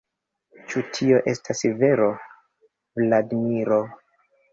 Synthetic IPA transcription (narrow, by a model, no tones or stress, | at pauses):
t͡ʃutʰio̞ʔe̞stʰaseve̞ɾo | vladmiɾo̞